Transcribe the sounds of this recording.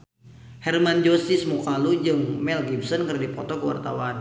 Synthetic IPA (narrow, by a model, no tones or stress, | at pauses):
hɛrmand͡ʒosismukalud͡ʒɨŋmɛlɡimsɔnkərdipɔt̪ɔkəwa̰rt̪a̰wan